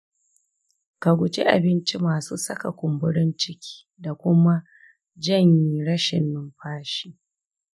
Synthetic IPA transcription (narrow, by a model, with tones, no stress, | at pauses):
ka˨ɡʷʊ˨t͡ʃḭ˦ʔa̰˨bɪ˦nt͡ʃi˦maː˨suː˦sɐ˦ka˨kʷʊ˨mbʊ˦ɽɪ˦nt͡ʃɪ˦kʲʰi̥ː˦da˨kʷʊ˦ma˦ | d͡ʒɐ˦˨ɲji˨ɽɐ˦ʃɪ̰˨nːɪ˦mɸaː˦ʃiː˦